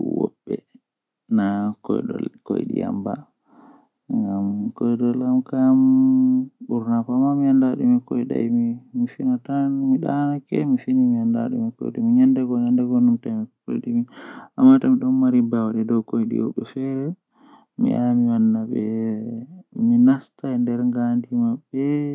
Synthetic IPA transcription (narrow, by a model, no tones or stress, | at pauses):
ṵwɔ̰bːɛ̰ | nakɔjɗɔ̰ko̰jɗḭa̰mba̰ | ŋɡamkɔjɗɔlamkam | ɓuɾnafɔamamiandaɗumikojɗa̰jmimisinatanmiɗa̰nakɛ̰misinimianda̰ɗṵmiko̰jɗa̰miɲandɛɡɔɲandɛɡɔnumtamiko̰jɗimiamːatamiɗɔnmaɾibawaɗɛdɔwkojɗḭɔ̰ɓɛ̰fɛɾɛ | mḭʔamiwanːaɓɛ | minastandɛɾŋɡandimabːɛ